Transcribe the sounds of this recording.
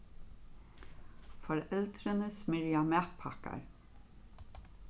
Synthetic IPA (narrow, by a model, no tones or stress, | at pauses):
fɔɾɛlt̪ɾənəsmɪɾjamæːt̪pʰaka̰ɹ